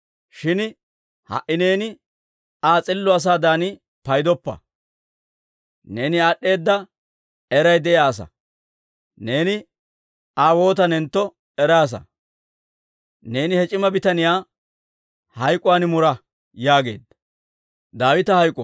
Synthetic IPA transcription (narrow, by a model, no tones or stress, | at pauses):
ʃɪn | hɐ̰ʔɪne̞ːnɪ | aːt͡sʼɪlːɔɐs̬aːd̪aːnɪ | pɐjd̪ɔpːɐ̰ | ne̞ːnɪaɗːe̞ːd̪ːɐ | ɛɾɐjd̪ɛʔjaːs̬ɐ̰ | ne̞ːnɪ | aːwo̞ːt̪ɐnɛnt̪ːɔ | ɛɾaːs̬ɐ̰ | ne̞ːnɪhɛt͡ʃʼɪmɐbɪt̪ɐnɪjaː | hɐjkʼːʊwaːnɪmʊɾɐ | jaːɡe̞̰ːd̪ | d̪aːwɪt̪ɐhɐjkʼː